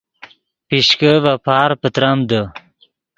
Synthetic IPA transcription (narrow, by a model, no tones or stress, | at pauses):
piɕkəvapʰaːɾpət̪ɾamd̪ə